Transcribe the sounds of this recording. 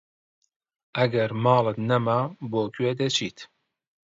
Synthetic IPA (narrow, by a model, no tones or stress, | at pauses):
ɐɡɛɾmɑːlɨt̪nɛmaboːkʰɥeːd̪ɛt͡ʃʰiːt̪